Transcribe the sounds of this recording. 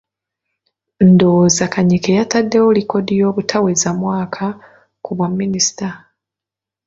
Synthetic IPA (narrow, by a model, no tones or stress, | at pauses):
ndozakaɲikejatadːe̞woliko̞dijo̞ːβutʰawezamwaːkʰa | kuβwamːinisi̥ta